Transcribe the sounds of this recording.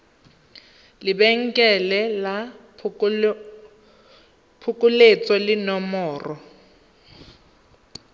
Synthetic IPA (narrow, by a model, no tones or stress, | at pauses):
lɪbɛŋ̩kʼɛlɛla | pʰʊkʼʊlet͡sʼɔlɪnɔmɔːrɔ